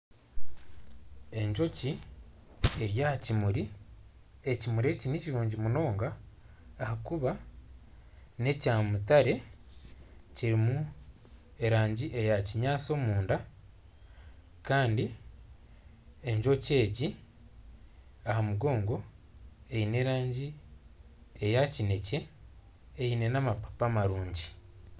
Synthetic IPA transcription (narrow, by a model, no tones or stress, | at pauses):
e̞ɲd͡ʒo̞ci | eɾjacimuɾi | ecimuɾe̞ːciniciɾuːɲɟimuno̞ːŋɡaː | hakuβa | ne̞caːmutaɾe̞ | ciɾimu | e̞ɾaːɲɟiʔe̞jaciɲaːt͡so̞ːmuːnda | kaːndi | e̞ɲʒo̞ce̞ːɟi | ahamuɡo̞ːŋɡo̞e̞ine̞ɾaːɲɟi | ejacine̞ce̞ː | ine̞namapḁpamaɾuːɲɟi